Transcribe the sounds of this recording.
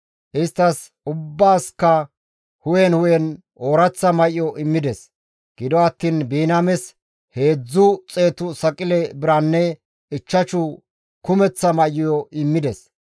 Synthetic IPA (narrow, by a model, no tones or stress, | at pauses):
ʔɪst̪ːɐs | ʊbːaːskːɐ | hʊjɛnhʊjɛn | oːɾɐt͡sːɐmɐjɪjɔʔɪmːɪd̪ɛs | ɡ̥ɪd̪ɔɐt̪ːiːnbiːnɐmɛs | he̞ːd͡zːʊt͡sʼe̞ːt̪ʊsɐkʼɪlɛbɪɾɐnːɛ | ɪt͡ʃːɐt͡ʃʊ | kʊmɛt͡sːɐmɐjɪjɔʔɪmːɪd̪ɛs